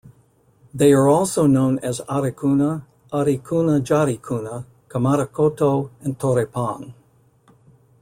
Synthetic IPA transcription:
ðeɪə˞ɔlˠsoʊnõʊ̃nɛzaɾekʰunə | aɾikʰunəd͡ʒaɾikʰunə | kʰəmaɾəkʰotʰoɨ̃ntʰoɾepʰãŋ

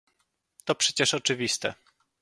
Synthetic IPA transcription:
t̪ɔpʂɛt͡ɕɛʂɔt͡ʂɘvʲist̪ɛ̰

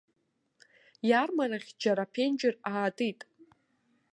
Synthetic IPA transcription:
jarmaraχʲd͡ʒaɾapʰend͡ʒɪraːtʼɨtʼ

